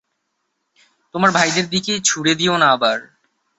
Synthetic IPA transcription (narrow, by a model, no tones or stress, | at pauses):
t̪omaɾbʱajd̪eɾd̪iket͡ɕʰuɽed̪ionaːbaɾ